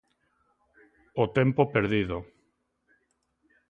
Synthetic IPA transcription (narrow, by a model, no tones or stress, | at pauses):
ot̪empopeɾðiðo